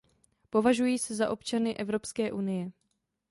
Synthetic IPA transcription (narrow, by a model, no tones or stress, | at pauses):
po̞vaʒujiːsɛzaʔo̞pt͡ʃanɪʔɛvɾo̞pskɛːʔunɪjɛ